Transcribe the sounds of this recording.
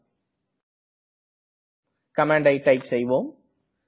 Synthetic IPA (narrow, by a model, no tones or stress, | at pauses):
kɐmaːɳɖɐɪʈɐɪpsɛjʋoːm